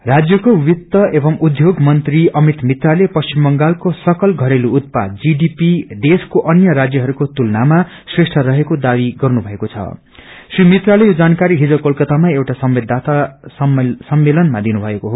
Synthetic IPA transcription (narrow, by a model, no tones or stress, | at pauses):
rad͡zjʌkowit̪ːʌʔebʌmud̪ʱjoɡmʌnt̪riʌmit̪mit̪ralepʌst͡ɕimbʌŋɡalkosʌkʌlɡʱʌɾeluːt̪̚pa̰d̪d͡ziɖipid̪eskoʔʌnjʌɾad͡zjʌɦʌɾukot̪ulnama | sresʈʰʌɾʌɦekod̪abiɡʌrnubʱʌekot͡sʰʌ̰ | srimit̪ralejod͡zankaɾiɦid͡zʌkolkʌt̪amaewʈasʌmbed̪ʱːat̪a | sʌmːelʌnmad̪inubʱʌekoɦo